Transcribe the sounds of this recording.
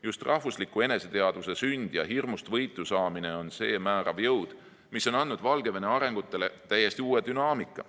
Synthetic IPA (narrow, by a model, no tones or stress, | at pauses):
just̪rʔɑhvuslikːˑue̞ne̞se̞t̪eɑd̪̥use̞synʲd̪̥jɑɦirmust̪vɤjt̪ːˑusɑːmine̞o̞nse̞ːmæːɾʔɑ̰vjɤwd̪̥ | misːo̞nɑnːud̪̥vɑlɡ̥e̞vene̞ɑɾe̞ŋɡ̥ut̪ːˑe̞le̞t̪æjːe̞st̪iuːe̞d̪̥ynɑːmikːˑɑ̰